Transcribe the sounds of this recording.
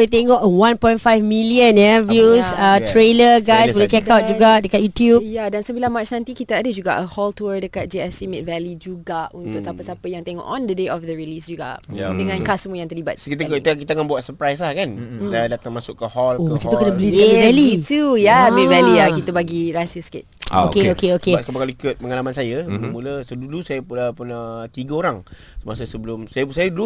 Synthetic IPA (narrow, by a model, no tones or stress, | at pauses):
blet̪eŋɔʔwãnpɔ̃jntfajfmĩliənjavjusət̪ɾeləɡajsbəlet͡ʃɛkawt̪̚d͡ʒuɡadəkat̪̚jut̪jubjadansəbilamat͡ʃnãnt̪ikit̪aadəd͡ʒuɡa̰ʔəhɔlt̪uədəkat̪̚d͡ʒeɛsimɛt̚vɛlid͡ʒuɡaunt̪ʊk̚sapəsapəjaŋt̪eŋɔ̰ʔɔ̃ndədeʔɔfd̪əɹilisd͡ʒuɡa̰ʔadəŋãnkasəm̃əjãŋt̪ərliba̰t̪̚kit̪əiəkit̪akanbuwat̪̚səpɾajs̬lahkanadat̪aŋmasʊkːəhɔlokkəmat͡ʃãɔt̪ukit̪əbəliɛlit̪ujamɛ̃vɛliakit̪əbaɡiɾasəskɪ̰t̪̚a̰okeokeokekabakalikʊt̪̚pəŋalamansajəmuləsədulusajəpuəpʊnət̪iɡəoɾaŋ | səmas̬əsəbəlʊmsajəpsajədulu